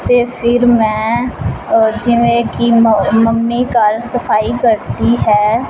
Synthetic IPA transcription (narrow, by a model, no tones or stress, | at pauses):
t̪eːpʰɪɾmɛ̃ː | d͡ʒɪʋẽːkiːməmːiːkaɾsəpʰaːiːkəɾt̪iːɦɛː